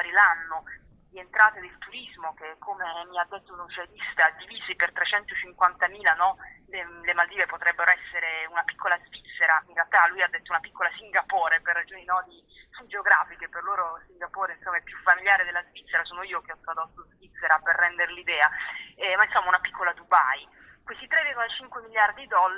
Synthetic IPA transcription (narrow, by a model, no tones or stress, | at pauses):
aɾilanːo | d̪ient̪ɾaːt̪ed̪elt̪uɾizmok̟ekʰːomemiad̪ːet̪ːounot͡ʃed̪ist̪ad̪iviːzipert̪ɾet͡ʃɛnt̪ot͡ʃiŋkwant̪amiːlanɔlelemald̪iːvepot̪ɾɛbːeɾoɛsːeɾeunapikʰːolazvit̪sːeɾainrealt̪alːujad̪ːet̪ːounapikːolasiŋɡapoːɾeperːad͡ʒoːninɔd̪i | sud͡ʒeoɡɾa̰ːfik̟eperloːɾosiŋɡapoːɾeinsomːaɛpːjufːamiljaːɾed̪elːazvit̪sːeɾasoːnoiːokeɔt̪ːɾad̪ot̪ːozvit̪sːeɾaperːɛnd̪eɾlid̪ɛːaɛmainsomːaunapikːolad̪uba̰j | kwest̪it̪ɾɛvirɡolat͡ʃiŋkwemiljard̪id̪ɔlː